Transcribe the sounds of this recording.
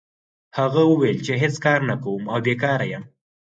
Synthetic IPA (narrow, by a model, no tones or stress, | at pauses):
haɣawəwejlt͡ʃeɦet͡skɑɾnakawumawbekɑɾajam